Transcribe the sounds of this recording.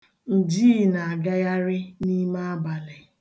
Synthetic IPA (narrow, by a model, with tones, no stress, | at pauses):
n̩˨diː˦˨na˨a˨ɡa˦ja˦ɾɪ˦ni˦ma˦a˦ba˨lɪ˨